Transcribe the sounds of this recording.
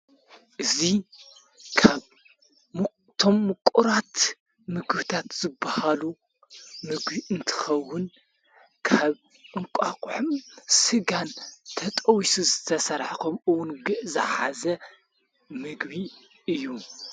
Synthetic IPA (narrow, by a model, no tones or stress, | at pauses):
ʔɨzi | kʰaβ | t̪ʰo̞mːɨkʼuɾat̪ | mɨɡɨβt̪ʰat̪z̥ɨbːahalu | mɨɡbiʔɨnt̪ʰɨ̥xɐwːʊn | kʰaβ | ʔɨŋkʷʼakʼʊħumsɨɡant̪ʰɐt̪ʼɐwisuzɨt̪ʰɐsɐɾħkʰomɨwʊnɡɨʔzɐ̰ħa̰zɐ | mɨɡβi | ɨjːu